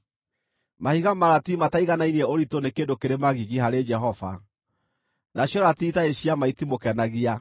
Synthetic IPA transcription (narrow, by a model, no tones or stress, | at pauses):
mahiɣamaɾatimataiɣanainiɛoɾitonekeːndokeɾemaɣiɣiɦaɾed͡ʒɛɦɔva̰ | naɕjɔɾatiːtaeɕiamaitimokɛnaɣia